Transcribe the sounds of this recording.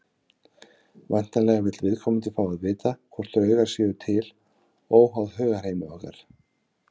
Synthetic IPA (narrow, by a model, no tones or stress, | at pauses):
vajn̥t̪anlɛjɣavɪt̪lvɪðkʰɔmʏnt̪ʰɪlfaːwaðvɪːt̪akʰvɔr̥t̪ɾœːɥɣaɾ̥sjɛːðʏt̪ʰɪl | oːwɦawðɦœːɣḁheːjmɪœhka̰ɾ̥